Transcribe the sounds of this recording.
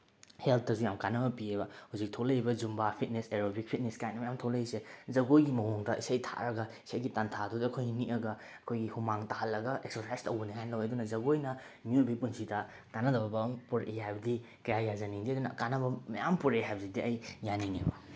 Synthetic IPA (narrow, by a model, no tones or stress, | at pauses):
helt̚ʰdɐsujamkanɐbɐpiebɐhuzik̚tʰolɐibɐd͡ʒumbapʰit̚neseɾobik̚pʰit̚neskajnɐmɐjamtʰolɐisezɐɡojɡimɐɦoŋdɐʔisajtʰa̰ɾɐɡɐi̥sajɡitantʰadudɐɐkʰojɡiniʔɐɡɐ | ɐkʰojɡihumaŋtaɦɐlːɐɡɐʔek̚sosajstɐwbɐniɦajnɐlɐwedunɐzɐɡojnɐ | mjubijpunsʰidɐ | kanɐdɐbɐbɐmpuɾehajbɐdi | kɐjajazɐniŋdiɐd̪unɐkanɐbɐmɐjampuɾeɦajbzidiʔɐjːaninibɐ